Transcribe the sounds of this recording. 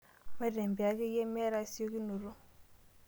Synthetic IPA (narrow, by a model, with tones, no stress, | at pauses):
ma˦dɛ˨m˨bi˨a˨ki˦jɛ˦mɛ˦ɾa˦˨˦si˦o˦ki˦no˨ɾu˦